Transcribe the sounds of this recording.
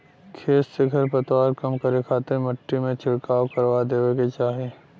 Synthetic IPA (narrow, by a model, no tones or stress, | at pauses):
kʰeːsseɡʱɐɾpət̪waːɾkɐmkɐɾekʰaːt̪emɐʈːimẽt͡ʃɪɽkaːokɐɾwad̪eːʋeket͡ʃaːɦe